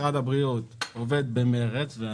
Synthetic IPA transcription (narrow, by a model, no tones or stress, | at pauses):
ad̪abʁijot̪ove̞d̪̚bemeʁet͡sve